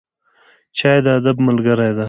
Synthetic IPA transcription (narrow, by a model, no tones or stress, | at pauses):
t͡ʃɑːjd̪əad̪abməlɡəɾajd̪a